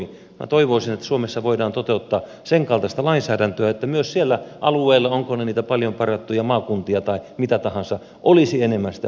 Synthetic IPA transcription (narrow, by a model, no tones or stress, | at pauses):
i | mæ̰t̪oiʋoisinet̪ːæ̥suomesːɑʋoidɑːnt̪ot̪eut̪ːɑː | seŋkɑlt̪ɑst̪ɑlɑinsæːdænt̪øæet̪ːæmyøssielːæʔɑluˑeːlːɑoŋkoneniːt̪æpɑljompɑrjɑt̪ːujɑmɑːkunt̪iɑt̪ɑimit̪æt̪ɑhɑnsɑ | ʔolisienemːæst̪æ